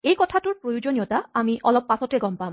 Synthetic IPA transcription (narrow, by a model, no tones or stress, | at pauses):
ejkɔtʰatuɹpɾojud͡ʑonijotaamiʔɔlɔb̚pːasɔteɡɔmpam